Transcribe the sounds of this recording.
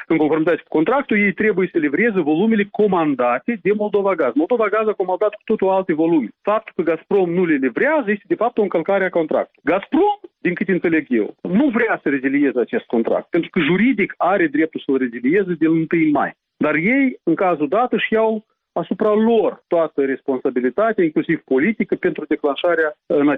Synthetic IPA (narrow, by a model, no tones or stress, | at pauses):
ɨŋko̞nfo̞rmit̪at̪sʲku̥ko̞nt̪ɾakt̪uje̞jt̪ɾe̞bujesəlivɾezəvo̞lumʲele̞ko̞mand̪at̪ʲe̞d̪e̞mo̞lˠd̪o̞vaɡazmo̞lˠd̪o̞vaɡazako̞mand̪at̪ku̥t̪ot̪oalt̪e̞vo̞lumʲefap̚t̪u̥lkəɡaspɾo̞mnulelivɾeazəjest̪ed̪e̞fap̚t̪oɨŋkəlkaɾeako̞nt̪ɾa̰k̚t̪uɡaspɾo̞md̪inŋkɨt̪ʲent̪seleɡjḛlnuvɾʲeasəɾezilije̞zəat͡ʃe̞st̪̚ko̞nt̪ɾa̰k̚t̪̚pe̞nt̪ɾukəʒuɾid̪ikaɾe̞d̪ɾe̞p̚t̪ulsəlre̞zilije̞zəd̪elɨnt̪ɨjma̰j | d̪arje̞jɨŋkazud̪at̪əʃijaw | asupɾalo̞rt̪oat̪əɾe̞spo̞nsabilit̪at̪ʲaiŋklusiv̥po̞lit̪ikəpe̞nt̪ɾud̪e̞klanʃaɾeaɨna